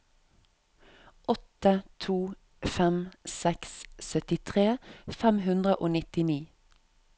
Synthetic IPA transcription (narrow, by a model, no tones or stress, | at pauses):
ʔɔt̪ət̪ʰuː | fɛmsɛkssœt̪ɪt̪ʰʁeːfɛmhʉnd̪ʁəʔoːnɪt̪ɪniː